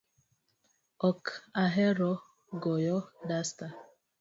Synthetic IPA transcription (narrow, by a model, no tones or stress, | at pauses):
ɔkaɦɛɾɔ | ɡɔjɔdasta